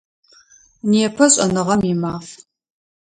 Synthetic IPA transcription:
niɛpʰɐɕʼɐnɨʁɐmimaːf

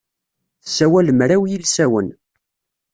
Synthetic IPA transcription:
θəsːæwæləmɾæwjilsæwə̰n

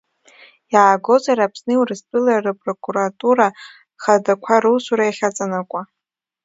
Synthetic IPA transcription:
jaːɡo̞zaɾapʰsnɨiwrɨstʼɨlarapʼrokʼuɾatʼuɾa | χadakʷʰaɾɨwsʷuɾajaχʲat͡sʼanakʷʼa

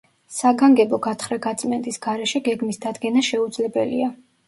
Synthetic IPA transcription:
saɡaŋɡɛbɔɡat̪ʰχɾɛɡat̪sʼmɛnd̪ʼisɡ̥aɾɛʃɛɡɛɡmisd̪ad̪ɡɛnaʃɛud̪zlɛbɛlḭa

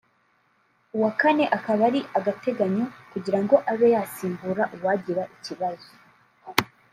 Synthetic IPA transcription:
uwakane̞ʔakaβaɾiʔaɡate̞ɡaɲo̞kuɟiɾaŋɡo̞ʔaβe̞jaːsiːmbuɾaʔuwaɟiɾaʔiciβazo̥

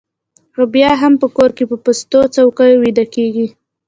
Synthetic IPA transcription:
ɾobjɑɦampəkoɾkepəpʊst̪ot͡sawkajowid̪akeɡi

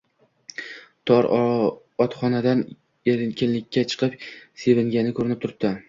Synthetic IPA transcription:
t̪ʰɒɾ | ɒt̪χɒnad̪an | eɾɪkʲʰɪnlɪkʲʰːat͡ʃʰɨ̥qʰɨpse̞vɪŋɡʲanɪkʰɵɾɪnɪp̚t̪ʰʊɾɪp̚d̪a

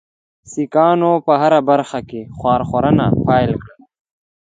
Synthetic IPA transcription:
sikaːnopɐɦɐɾabɐɾxakexwaːɾxoɾɐnapʰaːjlkɐ

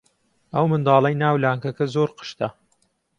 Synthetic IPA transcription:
ɐwmɨnd̪ɑːlˠɐjnaːwlaːŋkɐkɐzoːɾqə̥ʃt̪ɐ

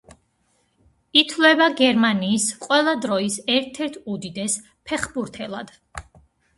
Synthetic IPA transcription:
it̪ʰlɛbaɡɛɾmaniːsqʼwɛlˠad̪ɾɔisɛɾt̪ʰɛɾt̪ʰud̪id̪ɛs | pʰɛχbuɾt̪ʰɛlˠa̰d̪̥

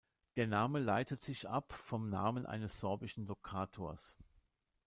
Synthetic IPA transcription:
d̥eːɐnaːməlaɪtətz̥ɪçʔa̰pfɔmnaːmənʔa̰ɪnəsz̥ɔɐbɪʃn̩lokʰaːtʰoːɐs

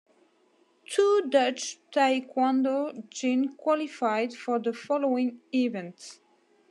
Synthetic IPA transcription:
tʰudʌt͡ʃtʰaɪkʰwãndod͡ʒɪ̃nkʰw̥ɑlɪfaɪd̥fə˞ðəfɑloʊɪ̃ŋivɛ̃nts

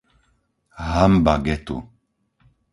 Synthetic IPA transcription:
ɦambaɡɛt̪ʼṵ

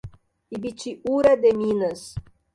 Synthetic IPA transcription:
ibit͡ʃiuɾɛd̪eminəs

